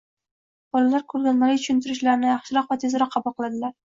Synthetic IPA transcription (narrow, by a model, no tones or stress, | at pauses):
b̥ɒlalaɾkʰʊɾɡʲanːaɾɪit͡ʃ̪ʰʊʃɪnt̪ʰɪɾɪʃlaɾɪnɪjɑχʃɪɾɒqvat̪ʰe̞zɾɒqʰːɑbʊlˠqʰɨlˠad̪ɪlaɾ